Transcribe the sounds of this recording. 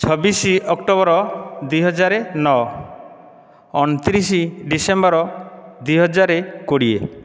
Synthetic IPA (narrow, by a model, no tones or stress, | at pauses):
t͡ʃʰɔbisiɔkʈobɔɾɔd̪ujɦɔd͡ʒaɾenɔ | ɔnɔt̪iɾisiɖisembɔɾɔd̪ujɦɔd͡ʒaɾekoɽiḛ